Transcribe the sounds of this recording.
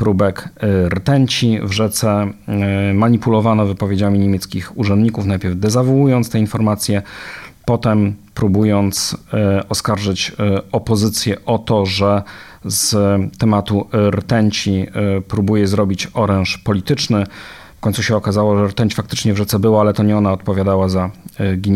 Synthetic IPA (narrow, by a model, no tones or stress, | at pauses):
pɾubɛkɾt̪ɛɲt͡ɕivʐɛt̪sɛ | maɲipulɔvanɔvɘpɔvʲjed͡ʑamʲiɲemʲjɛt̪skʲixuʐɛnd̪ɲikufnajpʲjɛɾvd̪ɛzavɔwujɔnt̪st̪ɛinfɔɾmat̪sʲjɛpɔt̪ɛmpɾubujɔnt̪sɔskaɾʐɘt͡ɕɔpɔzɘt̪sʲjɛʔɔt̪ɔʐɛ | zt̪ɛmat̪uɾt̪ɛɲt͡ɕipɾubujɛzɾɔbʲit͡ɕɔɾɛ̃w̃ʂpɔlʲit̪ɘt͡ʂnɘ | fkɔɲtsuɕɛɔkazawɔʐɛɾt̪ɛɲt͡ɕfak̚t̪ɘt͡ʂɲɛvʐɛt̪sɛbɘwaalɛt̪ɔɲɛɔnaɔt̪̚pɔvʲjad̪awazaɡʲiɲ